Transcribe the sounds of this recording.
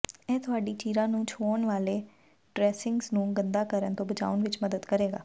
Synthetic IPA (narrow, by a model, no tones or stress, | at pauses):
ɛ̃ːt̪ʰʊaːɖiːt͡ʃiːɾãːnũːt͡ʃʰoːəɳʋaːleː | ɖɾɛːsɪŋɡznũːɡənd̪aːkəɾənt̪õːbət͡ʃa̰ːʋənʋɪt͡ʃməd̪əd̪kəɾeːɡa̰ː